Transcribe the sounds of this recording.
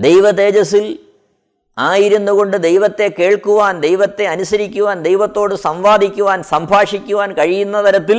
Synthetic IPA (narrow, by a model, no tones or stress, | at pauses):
d̪ejʋɐd̪e̞ːd͡ʑɐsil | aːjiɾunːuɣo̞ɳɖɨd̪ejʋɐt̪ːe̞ke̞ːɭkuʋaːnd̪e̞jʋɐt̪ːe̞ɐnusɐɾikʲːuʋaːnd̪e̞jʋɐt̪ːo̞ːɽɨsɐmʋaːd̪ʱikʲːuʋaːnsɐmbʱaːʂikʲːuʋaːnkɐɻijunːɐt̪ɐɾɐt̪ːil